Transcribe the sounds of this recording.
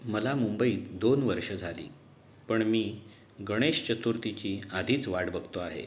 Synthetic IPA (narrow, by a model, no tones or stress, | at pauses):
məlamumbəiːd̪onʋəɾʂəd͡zʱalḭː | pəɳmiː | ɡəɽ̃eɕt͡ɕət̪uɾt̪it͡ɕiːad̪ʱiːt͡sʋaɽbəɡʱt̪oaɦḛ